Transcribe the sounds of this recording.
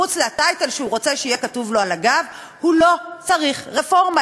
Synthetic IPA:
ut͡sleatajtelʃehuʁo̞t͡seʃeijekatuvlo̞alaɡav | hulo̞t͡saʁiχʁefo̞ʁma

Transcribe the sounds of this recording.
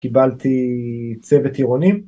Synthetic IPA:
kibalt̪it͡sevet̪iʁonim

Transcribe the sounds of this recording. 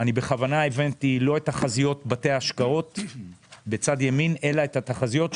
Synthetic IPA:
anibe̞χavanae̞vantilo̞e̞taχazijo̞tbate̞aaʃkao̞t | be̞t͡sadjemine̞laethataχazijo̞t

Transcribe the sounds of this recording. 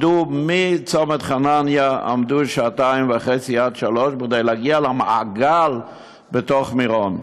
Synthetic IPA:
dumit͡somet̪χananjaa̰md̪uʃaːtaimveaχet͡siad̪ʃaloʃbiɡd̪ejlaɡialamaaɡal | betoχmiʁon

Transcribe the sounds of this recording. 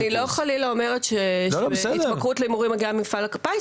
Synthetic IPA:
nilo̞χalileomeʁetʃebsidtbakʁutleimuʁimaɡiamifalakapa

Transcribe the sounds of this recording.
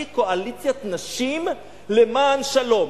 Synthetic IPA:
ikoʔalit͡sjat̪naʃim | lemaːnʃalo̞m

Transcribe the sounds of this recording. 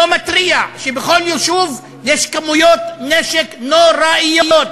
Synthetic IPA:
omat̪ʁiaʃebeχoljuʃuv | jeʃkamujo̞t̪neʃeknoɾaijojot̪

